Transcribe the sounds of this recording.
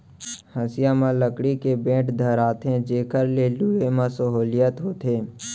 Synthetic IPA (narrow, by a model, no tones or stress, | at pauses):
həsɪjamãləkɽikebẽːʈd̪ʱəɾaːt̪ẽd͡ʒeːkəɾleluemãsəɦoːlɪjət̪ɦoːt̪ɦeː